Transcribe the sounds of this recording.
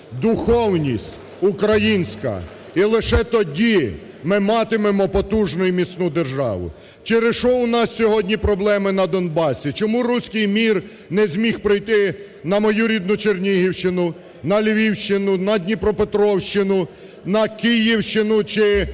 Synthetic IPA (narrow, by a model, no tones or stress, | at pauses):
d̪ʊxɔwnʲisʲtʲ | ukɾɐjinʲsʲkɐ̰ | ilˠɪʃɛt̪ɔdʲi | mɪmɑt̪ɪmemɔpɔt̪uʒnɔjʊmʲisʲnud̪erʒɑ̰ʋʊ̰ | t͡ʃɪɾɪʃɔʊnɑssʲɔɦɔdʲnʲipɾɔblˠɛmɪnɐd̪ɔnbɑsʲit͡ʃɔmuɾusʲkɪjmʲir | nɛzʲmʲixpɾɪjt̪ɪ | nɐmɔjuɾʲid̪̚nʊt͡ʃernʲiɦiwʃt͡ʃɪnʊ | nɐlʲʋʲiwʃt͡ʃɪnʊnɐdʲnʲipɾɔpet̪ɾɔwʃt͡ʃɪnʊ | nɐkɪjiwʃt͡ʃɪnʊt͡ʃɪ